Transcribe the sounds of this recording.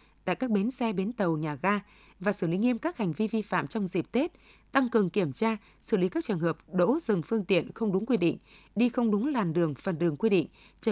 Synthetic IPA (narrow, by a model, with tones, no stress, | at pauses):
t̪a̰ː˧˨jkaː˦˥k̚ɓe˨˦nsɛ˧ɓe˨˦nt̪ə˨˩wɲaː˨˩ɣaː˧ | vaː˨˩sɨː˧˩lḭ˨˦ŋi˧əmkaː˦˥k̚ha˨˩jŋ̟vi˧vi˧fa̰ː˧˨mt͡ɕɔ˧wŋ͡mzi˨˩p̚t̪e˦˥t̚ | t̪a˧ŋkɨ˨˩əŋki˧˩əmt͡ɕaː˧ | sɨ̰˧˩li˨˦kaː˦˥k̚t͡ɕɨ˨˩ŋhəː˨˩p̚ɗo̰˧˥zɨ˨˩ŋfɨ˧əŋt̪ḭ˧˨ənxə˧wŋ͡mɗʊ˨˦ŋkwi˧ɗḭ˧˨ŋ̟ | ɗi˧xə˧wŋ͡mɗʊ˨˦ŋlaː˨˩nɗɨ˨˩əŋfə˨˩nɗɨ˨˩əŋkwi˧ɗḭ˧˨ŋ̟ | t͡ɕə˧